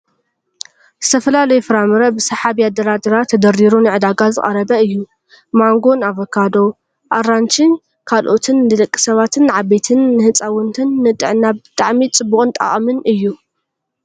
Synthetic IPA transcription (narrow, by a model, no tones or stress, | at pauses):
z̥ɨt̪ʰɐfɐlalɐjufɨɾamɨɾɐbɨsɐħaβiad̪ɐɾad̪ɐɾat̪ʰːɐd̪ɐɾiɾunɨʕɨd̪aɡazɨ̰kʼɐ̰ɾɐbɐɨjːu | maŋɡo̞naβɐkʰːad̪o̞ | ʔaɾant͡ʃʰʼɨn | kʰalʔo̞t̪ʰɨnːɨlɐkʼːi̥sɐβat̪ʰɨnːʕabe̞t̪ʰɨnːɨhɨt͡sʼawɨnt̪ʰɨnːɨt̪ʼɨʕnabɨt̪ʼaʕmit͡sʼɨbuχʼɨnt̪ʼa̰χʼmɨnɨjːu